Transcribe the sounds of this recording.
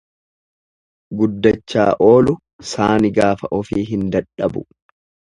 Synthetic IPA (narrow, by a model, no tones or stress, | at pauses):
ɡʊd̪ːɐt͡ʃːa̰ːʔo̞ːlʊ | saːnɪɡaːfɐʔɔfiːɦɪnd̪ɐᶑɐbʊ̰